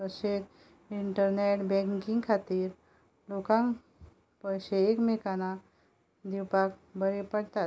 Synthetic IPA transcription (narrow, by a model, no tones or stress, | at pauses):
əɕet̪ | iɳʈəɾneʈbɛ̃ŋkĩŋɡkʰat̪iːɾ | lokãŋ | pəjɕeːkmekana | d̪iwpak̚bəɾepəɽt̪a